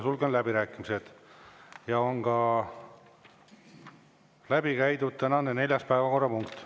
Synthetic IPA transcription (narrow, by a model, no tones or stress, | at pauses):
sulɡonlæbiɾæːkːˑimise̞d̪̥ | jɑo̞ŋɡ̥ɑ | læbikæjd̪ud̪̚t̪ænɑnene̞lʲjɑspæevɑko̞rːɑpuŋkt̪